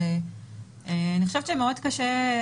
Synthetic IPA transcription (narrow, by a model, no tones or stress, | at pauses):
e | eaniχo̥ʃevt͡ʃemeodkaʃe